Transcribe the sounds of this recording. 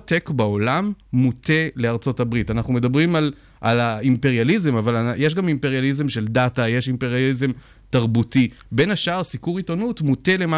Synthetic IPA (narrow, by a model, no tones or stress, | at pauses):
tekbao̞lamːute̞le̞aʁt͡so̞tabʁitanaχnume̞dabʁimal | ʔalaimpe̞ʁjalizemavalajeʃ̬ɡamimpeʁjalizemʃe̞ldataje̞ʃimpe̞ʁjalize̞m | taʁbutibe̞naʃaʁsikuʁitonutmute̞le̞ma